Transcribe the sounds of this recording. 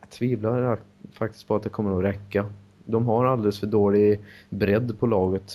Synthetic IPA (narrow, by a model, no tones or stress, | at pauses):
t̪ʰviːvlaafak̚t̪ɪst̪pʰɔat̪̚d̪ɛkʰɔmːəɾɔɾɛkːa | d̪ɔmɦaɾald̪ɛləsfœɖoːɭɪbɾɛd̪ːpʰɔlɑːɡət̪